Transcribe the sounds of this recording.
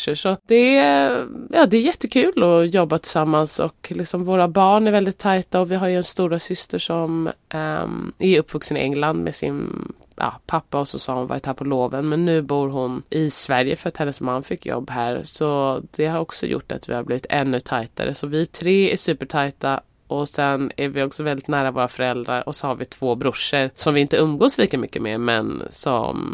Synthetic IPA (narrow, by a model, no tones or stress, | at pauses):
ʂəʂɔd̪̥ɛ | jɑːd̪ɛæɾjɛt̪ːəkʰʉ̟ːlɔjɔbːat̪ʰɪ̥samːansɔ̰klɪksɔmvoːɾabɑːɳæɾvɛld̪ɪt̪ʰːajt̪aɔvɪɦaɾjɵɛnst̪uːɾasʏst̪əʂɔm | æɾɵpːvɵksənɪʔɛŋːland̪mʔɛ̰sɪ̰n | jɑ̰ːpʰapːaɔsɔsɑːhʊnva̰ɾt̪haːɾpʰɔloːvənmɛnːʉ̟ːbuːɾɦʊnʔɪsvæɾjəfœɾat̪hɛnːəsmanːfɪkːjɔ̰bːhæːɾsɔd̪ɛhaɾɔksɔ̰jʊ̰ʈːa̰t̪vɪ̰haɾbliːvɪt̪ɛnːɵt̪ʰajt̪a̰ɾəsɔvɪt̪ʰɾeːæʂʉ̟ːpəʈʰajt̪a | ʔɔsɛnæɾvɪɔksɔvɛld̪ɪt̪næːɾavoːɾafœɾɛld̪ɾaɾɔsɔhaɾvɪt̪ʰv̥oːbɾʊʂːəɾsɔmvɪɪnt̪əɵmɡoːsliːkamʏkːəmḛːɾmɛ̰nsɔ̰m